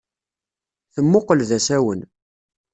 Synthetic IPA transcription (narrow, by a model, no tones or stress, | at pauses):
θəmːʊqəlðæsæwən